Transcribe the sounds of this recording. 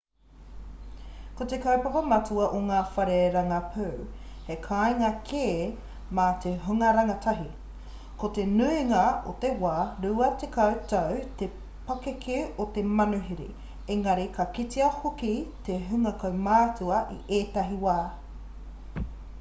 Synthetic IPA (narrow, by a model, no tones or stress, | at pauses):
kot̪ekɐwpɐpɐmɐtuɐʔoŋaːfɐɾeɾɐŋɐpʰʉwhekʰaːjŋɐkʰeː | mat̪eɦʉŋɐɾɐŋɐtʰɐɦi | kot̪enuiŋɐot̪ewaːɾuɐt̪ekɐwtɐwt̪e | pɐkekʰeot̪emɐnuɦiɾḭ | eŋɐɾikʰɐkitiɐhokit̪eɦʉŋɐkɐwmaːt͡suɐʔḭʔeːtɐɦiwaː